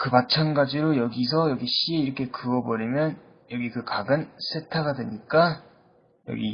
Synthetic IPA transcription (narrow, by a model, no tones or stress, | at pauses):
kɯmat͡ɕʰanɡad͡ʑiɾojʌɡis̬ʰʌjʌɡiɕ͈ieiɾʌkʰe̞kɯʌbʌɾimjʌn | jʌɡikɯkaɡɯns͈e̞tʰaɡadwe̞ɲik͈a | jʌ̰ɡḭ